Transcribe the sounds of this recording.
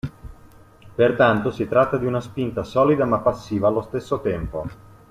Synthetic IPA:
pert̪ant̪osit̪ɾat̪ːad̪iunaspint̪asɔːlid̪amapːasːiːvaːlːost̪esːot̪ɛmpo

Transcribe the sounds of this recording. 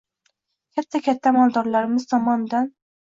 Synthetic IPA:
kʲʰat̪ʰːakʲʰat̪ʰːamɒlˠd̪ɒɾlaɾɪmɪz̥t̪ʰɒmɒnd̪an

